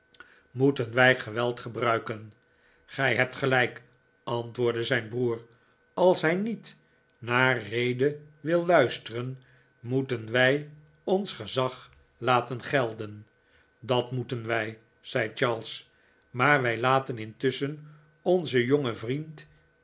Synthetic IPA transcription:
mutənʋɛjχəʋɛlˠtχəbrœɥkən | χɛjɦɛp̚tχəlɛjk | ʔɑntʋʊːɹdəzɛjnbruːr | ɑlˠsɦɛjnit | naːrejdəʋɪlˠːœɥstərən | mutənʋɛj | ɔnsχəzɑχ | laːtənχɛlˠdən | dɑtmutənʋɛj | z̥ɛjt͡ʃɑɹlˠs | maːɹʋɛjlaːtənɪntʏsən | ɔnzəjoŋəvrint

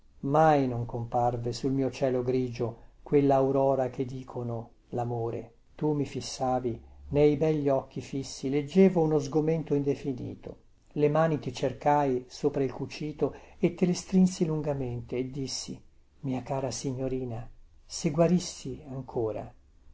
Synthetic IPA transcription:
majnoŋkomparvesulmiːot͡ʃɛːloɡɾiːd͡ʒokwelːaːwɾɔːɾak̟ed̪ːiːkʰono | lamoːɾḛ | t̪umifisːaːvinejbɛʎːiɔk̟ːifisːiled͡ʒːeːvounozɡoment̪oind̪efinḭːt̪o̰ | lemaːnit̪it͡ʃerkajsoːpɾailkut͡ʃiːt̪oet̪ːelest̪ɾinsiluŋɡament̪eːd̪ːisːi | miːakaːɾasiɲːoɾiːnaseɡwaɾisːiaŋkʰoːɾa̰

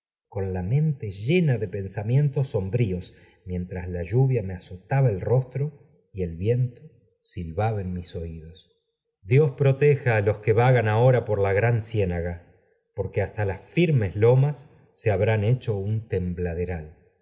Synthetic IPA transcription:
ko̞nlamẽ̞nt̪eʒe̞naðe̞pe̞nsamje̞nt̪o̞so̞mbɾio̞s | mje̞nt̪ɾaslaʒuβjameaso̞t̪aβaelro̞st̪ɾo | ie̞lβje̞nt̪o | silβaβaenmiso̞iðo̞s | d̪jo̞spɾo̞t̪exaːlo̞skeβaɣanao̞ɾapo̞ɾlaɣɾansje̞naɣa | po̞ɾkeast̪alasfiɾme̞zlo̞masː | eaβɾane̞t͡ʃo̞unt̪e̞mblað̞eɾal

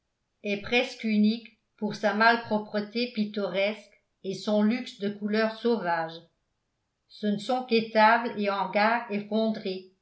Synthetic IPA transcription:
ɛpχɛskynik | puʁsamalpχɔpχət̪epit̪ɔʁɛsk | esɔ̃lyksd̪əkulœʁsovaːʒ | sənəsɔ̃ket̪ableɑ̃ʁɡaːʁefɔ̃d̪ʁe

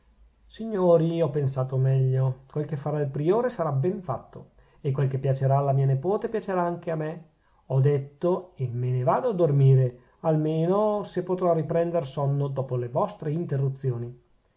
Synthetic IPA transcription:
siɲːoːɾiɔpːensaːt̪omɛʎːokwelkefːaɾailpɾioːɾesaɾabɛɱfat̪ːo | ekːwelk̟epːjat͡ʃeɾaːlːamiːanepoːt̪epjat͡ʃeɾaaŋk̟eame | ɔd̪et̪ːoemːenevaːd̪oad̪ormiːɾe | almeːnosepːot̪ɾɔripɾɛnd̪eɾsɔnːod̪ɔːpolevɔst̪ɾeint̪erːut̪sːjoːni

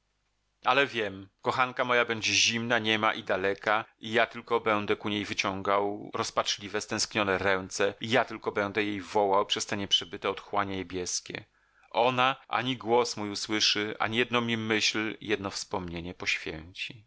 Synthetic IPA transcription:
alɛvʲjɛmkɔxaŋkamɔjabɛɲd͡ʑɛʑimnaɲɛmaʔid̪alɛkaijat̪ɘlkɔbɛnd̪ɛkuɲejvɘt͡ɕɔŋɡawɾɔspat͡ʂlʲivɛst̪ɛ̃skɲɔnɛɾɛnt̪sɛijat̪ɘlkɔbɛnd̪ɛjejvɔwawpʂɛst̪ɛɲɛpʂɛbɘt̪ɛɔt̪xwaɲaɲebʲjɛskʲɛ̰ | ʔɔnaʔa̰ɲiɡwɔsmujuswɘʂɘʔa̰ɲijɛd̪nɔmʲimɘɕljɛd̪nɔfspɔmɲeɲɛpɔɕfʲjɛ̰ɲt͡ɕi

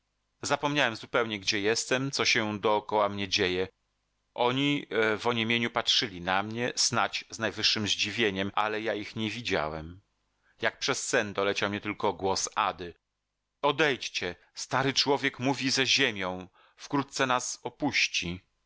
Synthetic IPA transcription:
zapɔmɲawɛmzupɛwɲɛɡd͡ʑɛjɛst̪ɛmt̪sɔɕɛd̪ɔːkɔwamɲɛd͡ʑejɛ | ʔɔɲivɔɲemʲjeɲupatʂɘlʲinamɲɛz̥nat͡ɕznajvɘʂːɘmʑd͡ʑivʲjeɲɛmʔa̰lɛjaixɲɛvʲid͡ʑa̰wɛm | jak̚pʂɛsːɛnd̪ɔlɛt͡ɕawmɲɛt̪ɘlkɔɡwɔsa̰d̪ɘ | ɔd̪ɛjt͡ɕt͡ɕɛ | st̪aɾɘt͡ʂwɔvʲjɛkmuvʲizɛʑemʲjɔ̃w̃ | fkɾut̪̚t̪sɛnasɔpuɕt͡ɕi

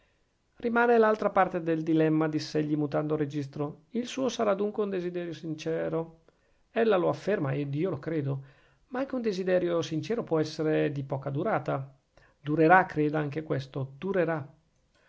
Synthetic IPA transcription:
rimaːnelalt̪ɾapart̪ed̪eld̪ilɛmːad̪isːeʎːimut̪and̪oɾed͡ʒist̪ɾoilsuːosaɾad̪uŋkweund̪ezid̪ɛːɾjosint͡ʃɛːɾo | ɛlːaloafːermaed̪iːolokɾeːd̪o | maaŋk̟eund̪ezid̪ɛːɾjosint͡ʃɛːɾopwɔɛsːeɾed̪ipɔːkad̪uɾaːt̪a | d̪uɾeɾakːɾeːd̪aaŋkekwɛst̪od̪uɾeɾa

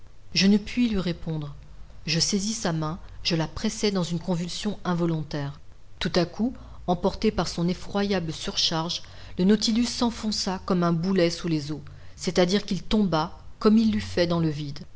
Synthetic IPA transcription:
ʒənəpɥilɥiʁepɔ̃d̪ʁ | ʒəsezisamɛ̃ʒ̥əlapχɛsɛd̪ɑ̃zynkɔ̃vylsjɔ̃ɛ̃vɔlɔ̃t̪ɛːʁ | t̪ut̪aku | ɑ̃pɔʁt̪epaʁsɔ̃nefχwajabləsyʁʃaʁʒ | lənɔt̪ilysːɑ̃fɔ̃sakɔmɛ̃bulɛsulezo | sɛt̪ad̪iʁkilt̪ɔ̃bakɔmilːyfɛd̪ɑ̃ləvid̪

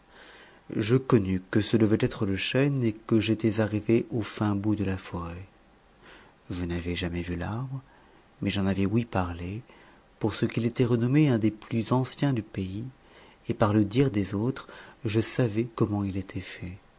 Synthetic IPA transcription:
ʒəkɔnykəsəd̪əvɛt̪ɛt̪χələʃɛnekəʒet̪ɛzaʁiveʔofɛ̃bud̪əlafɔʁɛ | ʒənavɛʒamɛvylaʁbʁə | mɛʒɑ̃navɛwipaʁle | puʁsəkilet̪ɛʁənɔmeɛ̃d̪eplyzɑ̃sjɛ̃d̪ypei | epaʁləd̪iʁd̪ezot̪χʒəsavɛkɔmɑ̃ilet̪ʰɛfɛ

